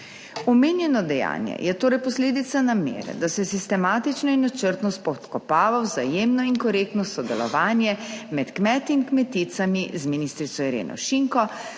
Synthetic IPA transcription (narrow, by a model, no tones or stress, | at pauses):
ɔmeːnjɛnɔd̪ɛja̰ːnjɛ̰jʔɛt̪oːɾɛjpɔsleːd̪it̪sanamḛːɾɛ̰d̪asɛsist̪ɛmaːt̪it͡ʃnɔinːat͡ʃəɾt̪nɔspɔt̪kɔpaːʋawzajeːmnɔiŋkɔɾek̚t̪nɔsɔd̪ɛlɔ̰ʋaːnjɛmɛt̪kmɛːt̪inkmɛt̪it̪samizminist̪ɾit̪sɔiɾḛːnʔɔ̰ʃiŋkɔ